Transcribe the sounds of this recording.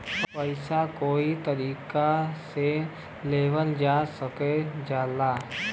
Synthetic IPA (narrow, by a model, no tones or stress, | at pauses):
pəɪsakoːit̪ɐɾiːkase | leːʋəld͡ʒaːsəked͡ʒaːlaː